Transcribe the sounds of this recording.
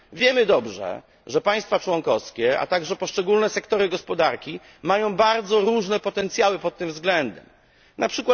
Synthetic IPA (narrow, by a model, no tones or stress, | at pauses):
vʲjɛmɘd̪ɔbʐɛ̰ | ʐɛpaj̃st̪fat͡ʂwɔnkɔfskʲɛa̰t̪aɡʐɛpɔʂt͡ʂɛɡulnɛsɛkt̪ɔɾɘɡɔspɔd̪aɾkʲi | majɔ̃w̃baɾd̪zɔɾuʐnɛpɔt̪ɛnt̪sʲjawɘpɔt̪ːɘmvzɡlɛnd̪ɛm | nʔapʂɘkwa